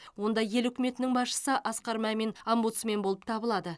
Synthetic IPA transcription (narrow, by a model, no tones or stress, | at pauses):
wo̞nd̪ɑje̞lʏkʲɪme̞t̪ɪnɪŋbɑsʃə̥səʔɑsqɑɾmæme̞nambut̪sme̞nbo̞lˠəp̚t̪ʰɑbəlˠɑd̪ə